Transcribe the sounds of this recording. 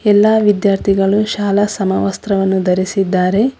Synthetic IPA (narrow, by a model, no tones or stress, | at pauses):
ɛlːaːʋid̪jaːɾt̪ʰiɡɐɭuʃaːlɐsɐmɐ̰ʋɐst̪ɾɐʋɐnːud̪ɐɾisid̪ːaːɾe̞